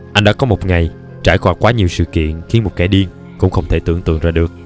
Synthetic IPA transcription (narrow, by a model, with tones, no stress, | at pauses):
ʔa˧jŋɗa̰ː˧˥kɔ˨˦mo˨˩t̚ŋa˨˩j | t͡ɕaː˧˩jxwaː˧˩kwaː˨˦ɲi˨˩əwsɨ̰˧˨kḭ˧˨ənxi˨˦ənmo˨˩t̚ka˧˩jɗi˧ən | kʊ̰˧˥ŋ͡mxə˧wŋ͡mt̪ʰe˧˩t̪ɨ̰˧˨əŋt̪ɨ̰˧˨əŋzaː˧ɗɨ˨˩ək̚